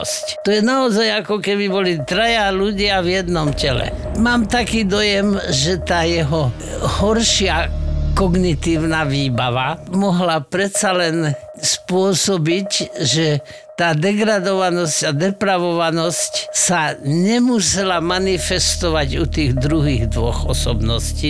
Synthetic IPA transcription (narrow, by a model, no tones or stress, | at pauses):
sct̪ɔjɛnaɔzajakɔkɛbibɔlit̪ɾajaluɟɪavjɛd̪nɔmcɛlɛ̰ | maːmt̪akiːd̪ɔjɛmʒɛt̪aːjɛɦɔ | hɔɾʃɪakɔɡnit̪iːʊnaʋiːbaʋamɔɦlapɾɛsalɛn | spʊɔsɔbicʒɛ | t̪aːd̪ɛɡɾad̪ɔʋanɔscad̪ɛpɾaʋɔʋanɔscsaɲɛmusɛlamanifɛst̪ɔʋaɟut̪iːɣd̪ɾuɦiːɣd̪ʋɔ̰ɣɔ̰sɔbnɔsciː